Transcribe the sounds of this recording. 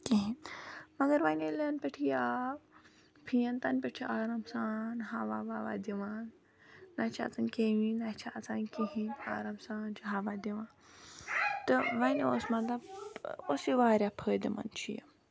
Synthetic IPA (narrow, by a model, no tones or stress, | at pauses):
kiɦĩmɐɡɐɾʋɐnelɐnpɐʈʰijaː | pʰijɐnt̪anpɐʈʰiʔaːɾamsaːnɦaʋaʋaːʋa̰ːd̪iʋaːnː | ɐt͡ʃʰa̰ːt͡sankeːʋinɐt͡ʃʰaːt͡sankiɦĩna̰ːɾamsaːnt͡ʃɦaʋad̪iʋãːn | t̪ɨʋɐno̰smɐnd̪aosiʋaːɾʲjapʰəːd̪imɐ̰nt͡ʃʰijɐ̰